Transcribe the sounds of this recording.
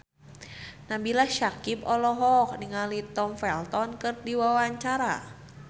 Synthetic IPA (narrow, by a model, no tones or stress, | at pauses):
nabilahʃakipɔlɔɦɔk̚niŋalit̪ɔmfɛlt̪ɔnkɨrdiwawaɲt͡ʃaɾa̰